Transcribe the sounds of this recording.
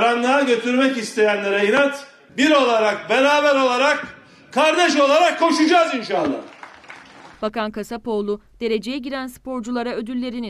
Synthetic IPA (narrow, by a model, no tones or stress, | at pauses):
ɾanlˠaɟø̞t̪ʰyɾmɛcist̪ʰe̞jænlʲeɾɛjɯnat̪ | biɾo̞lˠaɾak̚beɾaːbæɾo̞lˠaɾak̚ | kʰːaɾd̪ɛʃ̬o̞lˠaɾakʰːo̞ʃud͡ʒaːzinʃaːlˠɯ̰ | b̥akankasapo̞ːlˠu | d̪̥e̞ɾe̞d͡ʒe̞jɛɟiɾænspʰo̞ɾd͡ʒulˠaɾaød̪ylːʲe̞ɾini